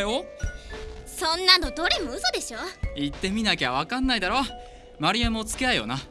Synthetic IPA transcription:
jo | sõnːãnod̪o̞ɾemoɯ̟so̞d̪e̞ɕo̞it̪ːe̞mʲinakʲaβ̞akãnːaid̪aɾo̞ | maɾʲiamot͡sɨ̥keaio̞̰na

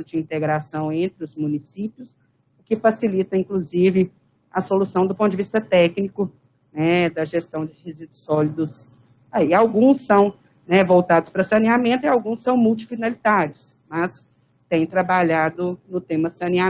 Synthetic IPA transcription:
ʊd͡ʒɪĩnt̪eɡɾasɐ̃w̃ẽnt̪ɾɪʊzmũnisipjʊs | ʊkɪfasilit̪ɐĩŋkluzivɪ | ɐsolusɐ̃w̃d̪ʊpõt̪ʊd͡ʒɪvist̪ɐt̪ɛknikʊ | nɛd̪ɐʒest̪ɐ̃w̃d͡ʒɪhezid̪ʊsɔlid̪ʊs | aiawɡũsːɐ̃w̃ | nɛvowt̪ad̪ʊspɾɐsɐniamẽnt̪ʊiawɡũsːɐ̃w̃muwt͡ʃi̥finalit̪aɾjʊs | mɐs | t̪ẽj̃t̪ɾabaʎad̪ʊnʊt̪ẽmɐsɐ̃nia

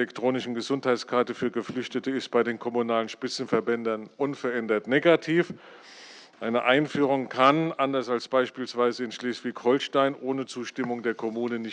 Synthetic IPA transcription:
ɛktʁ̥oːnɪʃn̩ɡəzʊnthaɪtt͡skʰaɐtəfyːɐɡəflʏçtətəɪst̚b̥aɪdeːnkʰɔmunaːlənʃpɪt͡sn̩fɛɐbɛndɐnʔʊnfɛɐʔɛndɐtneːɡatʰiːf | ʔaɪnəʔaɪnfyːʁ̞ʊŋkʰanʔandɐsalsb̥aɪʃpiːlsv̥aɪzəɪnʃleːsv̥ɪçhɔlʃtaɪnʔoːnət͡suːʃtɪmʊŋdeːɐkʰɔmuːnənɪç

